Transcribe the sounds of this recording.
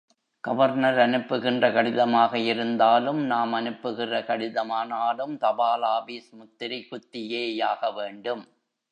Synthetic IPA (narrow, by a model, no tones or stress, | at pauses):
ɡ̥ɐʋɐɾnɐɾɐnɯpːɯɣɪndrɐkɐɽɪðɐmaːɣɐɪɾɯnd̪aːlɯmnaːmɐnɯpːɯɣɪrɐkɐɽɪðɐmaːnaːlɯmt̪ɐbaːlaːbiːsmʊt̪ːɪɾɪkʊt̪ːɪjeːjaːɣɐʋeːɳɖɯm